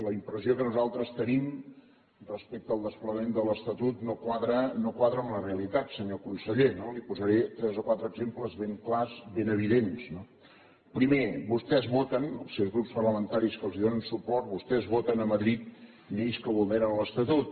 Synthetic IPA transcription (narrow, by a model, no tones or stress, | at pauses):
ləimpɾəziokənuzalˠt̪ɾəst̪ənim | rəspek̚t̪əːlˠd̪əspləmend̪ələst̪ət̪ut̪nokwaðɾənokwaðɾəunəreəlit̪at̪səɲokunsəʎenolipuzəɾet̪ɾɛzokwat̪ɾəːɡzempləzβeŋklazβenəβ̞iðensno | pɾimebust̪ɛzβot̪ənə̰lˠsewzɣɾupspərləmənt̪aɾiskəlˠziðonənsupɔɾt̪̚βust̪ɛzβot̪ənəməðɾit̪̚ | neʎskəβulˠneɾənləst̪ət̪ut̪̚